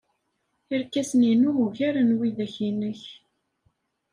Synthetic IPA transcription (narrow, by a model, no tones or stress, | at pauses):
iɾkːæsninuuʝæɾənwiðæçinəç